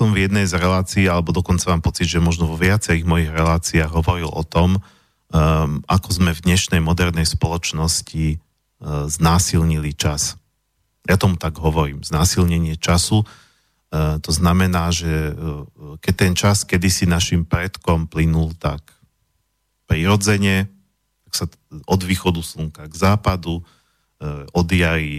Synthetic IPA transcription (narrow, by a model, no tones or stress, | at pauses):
ɔmvjɛd̪nɛjzɾɛlaːt͡siːalɛbɔd̪ɔkɔnt͡samaːmpɔt͡sid̪ʒɛmɔʒnɔʋɔʋɪat͡sɛɾiːɣmɔjiɣɾɛlaːt͡siaːɣɦɔʋɔɾilʔɔ̰t̪ɔm | akɔzmɛvd̪ɲɛʃnɛjmɔd̪ɛɾnɛjspɔlɔt͡ʃnɔsci | znaːsilɲilit͡ʃas | jat̪ɔmut̪aɡɦɔʋɔɾḭːmznaːsilɲɛɲɪɛt͡ʃasu | t̪ɔznamɛnaːʒɛ | kɛc̚t̪ɛnt͡ʃaskɛd̪isinaʃimpɾɛt̪kɔmplinult̪ak | pɾiɾɔd͡zɛɲɛ | t̪aksa | ʔɔd̪ʋiːxɔd̪usluŋkaɡzaːpad̪u | ɔd̪jaɾi